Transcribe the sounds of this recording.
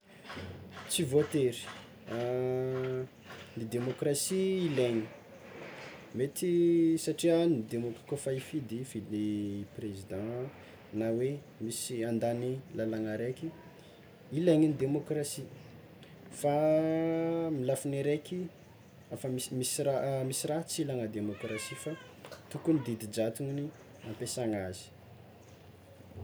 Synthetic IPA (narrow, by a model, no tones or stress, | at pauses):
t͡sivot̪eɾi̥ | a | nid̪emokrasiːleŋi̥ | met̪isaʈ͡ʂianid̪emokḁkofaifid̪ifileprezid̪ɑ̃ | nawe | misiãnd̪anilalaŋaɾekʲi | ilaŋinid̪emokrasi | fa | milafineɾeki | afəmimisiɾamisiɾaɦt͡silaŋəd̪emokrasifa | t̪ukunid̪id̪id͡ʒat̪uŋini | ãmpesaŋazi̥